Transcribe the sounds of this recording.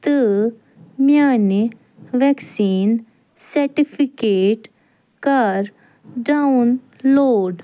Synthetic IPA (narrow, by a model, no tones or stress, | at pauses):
t̪ɨ | mjaːni | ʋɛksiːn | sɐɾʈipʰikeːʈ | kɐɾ | ɖaʊn | loːɖ